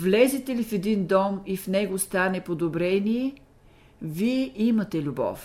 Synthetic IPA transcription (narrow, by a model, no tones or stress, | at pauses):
vlɛzɛt̪ɛlifɛd̪ind̪ɔmifnɛɡost̪anɛpod̪obɾɛniɛ | viɛʔimɐt̪ɛlʲubɔ̰f